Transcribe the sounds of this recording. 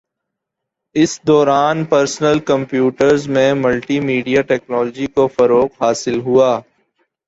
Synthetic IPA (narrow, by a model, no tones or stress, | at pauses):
ɪsd̪ɔːɾaːnpəɾsnəlkɐ̃mpjuːʈəɾzmẽmɐlʈimiːɖijaʈɛːknɔːlːd͡ʒikofɐɾoːqɦaːsɪlɦuaː